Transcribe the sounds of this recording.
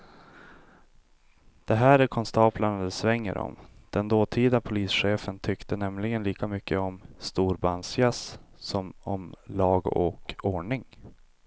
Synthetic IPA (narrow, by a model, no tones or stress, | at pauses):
d̪̥ɛɦæːɾæɾkʰɔnst̪ɑːplaɳad̪ɛsvɛŋːə̰ɾʔɔ̰md̪̥ɛnd̪oːt̪ʰiːd̪apʰʊliːsɧeːfənt̪ʰʏkt̪ənɛmlɪɡənliːkamʏkːəɔmst̪uːɾbansjassɔmɔmlɑːɡɔkoːɳɪŋ